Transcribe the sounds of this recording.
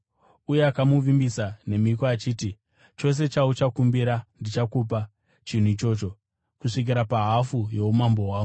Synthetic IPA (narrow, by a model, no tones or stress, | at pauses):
ujeakamuʋimbisane̞mikoat͡ʃiːti | t͡ʃo̞s̬e̞t͡ʃaut͡ʃakumbiɾandit͡ʃakup̬a | t͡ʃin̤ut͡ʃo̞ːt͡ʃo̞ | kuʂik̬iɾapaɦafujo̞umambo̞ɦwaːu